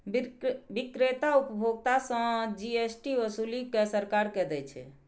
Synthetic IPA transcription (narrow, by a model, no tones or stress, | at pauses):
bikɾet̪aupəbʱoɡ̚t̪asə̃d͡ʒiesʈiʋəsulikesəɾkaɾkɛd̪ɛt͡ʃʰɛ̰